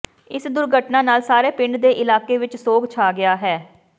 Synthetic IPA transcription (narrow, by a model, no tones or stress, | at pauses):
ɪsd̪ʊɾɡʱəʈnãːnaːlsaːɾeːpɪɳɖd̪eːʔɪlaːkeːʋɪt͡ʃsoːɡt͡ʃʰaːɡɪaːɦɛː